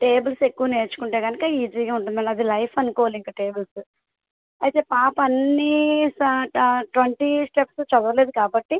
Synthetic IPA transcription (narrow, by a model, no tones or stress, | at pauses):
ʈeːbɐlse̞kːuʋɐne̞ːɾt͡ʃu̥kuɳʈeːkɐnikɐiːd͡ʒiːɡaːuɳʈunɐlɐd̪ilɐjpʰɐnukɔːʋaːliŋkaːʈe̞ːbɐlsu | ɐjit̪e̞ːpaːpɐɐnːi | ʈʋeɳʈisʈepst͡ʃɐd̪ɐɐleːd̪ukaːbɐʈːi